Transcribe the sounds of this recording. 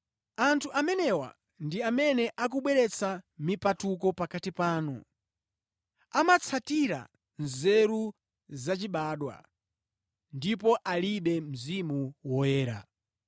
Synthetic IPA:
antʰuʔamɛnɛwa̰ | ndiamɛnɛʔak̬uɓwɛɾɛt͡samipatuk̬ɔpakatipaːnɔ̰ | amat͡sʰatiɾa̰ | nzɛɾu | zat͡ʃiɓaːɗwa̰ | ndipɔʔaliɓɛm̩zimuwɔjɛːɾa̰

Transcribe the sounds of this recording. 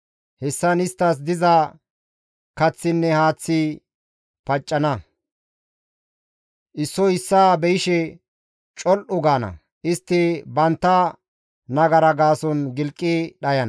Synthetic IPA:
hɛsːɐnɪst̪ːɐs̬d̪ɪzɐ | kɐt͡sːɪnːɛhaːt͡sːɪ | pɐt͡ʃʼːɐnɐ | ʔɪsːɔɪsːaːbɛjɪʃɛ | t͡ʃʼɔlʔʊɡaːnɐ̰ | ʔɪst̪ːɪbɐnt̪ːɐ | nɐɡɐɾɐɡaːsɔnɡɪlkʼːɪɗɐjɐn

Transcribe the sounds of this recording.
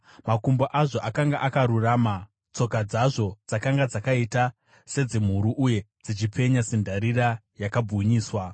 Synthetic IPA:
makumboʔaʐo̞ʔakaŋɡaʔakaɾuraːma | t͡so̞kad͡zaʐo̞d͡zakaŋɡad͡zakaita | se̞d͡zem̤uɾuʔuje̞d͡zit͡ʃip͡fe̞ɲasindʱaɾira | jakabuɲiːswa

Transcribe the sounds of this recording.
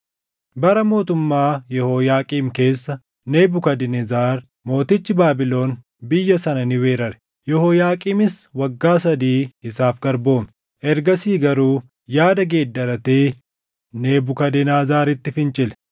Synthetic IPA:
bɐɾɐmo̞ːt̪ʊmːaːjɛhoːjaːkʼiːmke̞ːsːɐ | neːbʊkɐd̪ɪnzaːɾ | mo̞ːt̪ɪt͡ʃːɪbaːbɪlo̞ːn | bɪjːɐsɐnɐnɪwe̞ːɾɐɾɛ̥ | jɛhoːjaːkʼiːmɪswɐɡːaːs̬ɐd̪iːɪsaːfɡɐɾbo̞ːm | ʔɛɾɡɐsiːɡɐɾuː | jaːd̪ɐɡe̞ːd̪ːɐɾɐt̪eː | neːbʊkɐd̪ɪnaːzaːɾɪt̪ːɪfɪnt͡ʃʼɪlɛ̥

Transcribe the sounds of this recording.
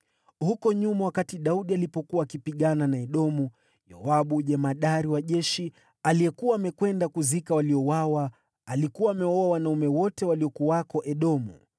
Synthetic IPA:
hukɔɲumawakatiɗauɗialipɔkuwaːkipiɠananaɛɗɔmu | jɔ̰waɓuʄɛmaɗaɾiwaʄɛʃi | aliɛkuwaːmɛkwɛndakuzikawaliɔwawaː | likuwaːmɛɔawanaumɛwɔtɛwaliɔkuaakɔʔɛɗɔmṵ

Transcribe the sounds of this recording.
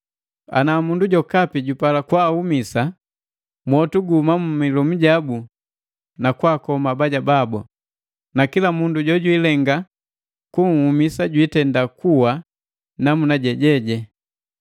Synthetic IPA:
a̰namunduɟɔkapiɟupalakwaːhumisa | mwɔtuɡumamumilɔm̩ɟabu | nakwaːkɔmabaɟababɔ | nakilamunduɟɔɟwilɛŋɡa | kuŋ̩humisaɟwitɛndakuwa | namunaɟɛɟɛɟɛ

